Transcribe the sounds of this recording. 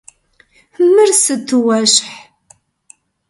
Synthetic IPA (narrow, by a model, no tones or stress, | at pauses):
həmːəɾsət̪ːwæʃħ